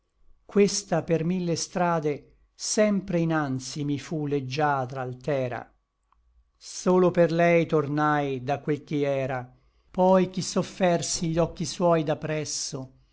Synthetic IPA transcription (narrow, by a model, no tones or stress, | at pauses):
kwest̪apermilːest̪ɾaːd̪e | sɛmpɾeinant̪simifuled͡ʒːaːt̪ɾaːlt̪ɛːɾa̰ | soːloperlɛjt̪ornajd̪akwelk̟iɛːɾa | pɔjk̟isofːɛrsiʎːɔkːiswɔjd̪apːɾɛsːo